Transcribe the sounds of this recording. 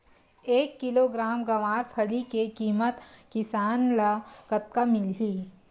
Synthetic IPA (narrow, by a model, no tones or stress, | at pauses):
eːkːɪloɡɾaːmɡɐʋaːɾpʰəlikekiːmət̪kɪsaːnlakət̪̚kamɪlɦiː